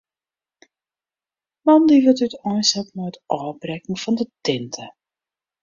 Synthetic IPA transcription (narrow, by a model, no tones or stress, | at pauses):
mɑndiʋɪlˠtytɔjshɛtnɔjtʔɔːbrɛkŋ̩fɔndətɪntʰə